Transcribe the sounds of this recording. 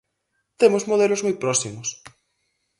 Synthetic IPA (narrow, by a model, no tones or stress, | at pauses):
t̪emozmoð̞elozmujpɾɔsimos